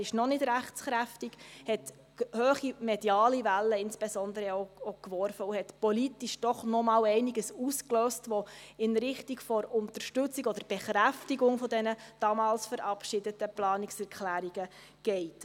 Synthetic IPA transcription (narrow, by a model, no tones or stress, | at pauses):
ɪʃnɔnɪdɾæχt͡sχɾæftiɡ̥hɛt | høːχimɛdjɑːlivælːəɪnsb̥esɔnd̪əɾəɛoɔkʋɔrfəuhɛtpɔlitiʃd̥ɔχnɔmɑːwɛɪniɡəsuskløːstʋɔɪnɾɪχtiɡfɔɾʊntərʃtʏt͡sikɔd̥əɾb̥ɛχɾæftiɡʊŋfɔdɛnəd̥ɑmɑːlsfəɾɑpʃɪdətəplɑːnɪksɛɾkʰlæːɾiɡə | ɡ̥ɛɪt